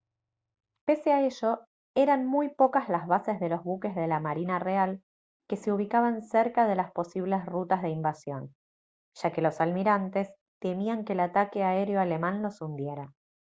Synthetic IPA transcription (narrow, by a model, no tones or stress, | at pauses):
pe̞seae̞ʒo̞ | e̞ɾanmujpo̞kazlazβasezðe̞lo̞zβuke̞zðe̞lamaɾinareal | ke̞se̞uβ̞ikaβanseɾkaðe̞laspo̞siβ̞le̞srut̪azð̞e̞imbasjo̞̰n | ʒ̥ake̞lo̞salmiɾant̪e̞s | t̪e̞miaŋkeːlat̪ake̞ae̞ɾjo̞ale̞mãnlo̞sund̪je̞ɾa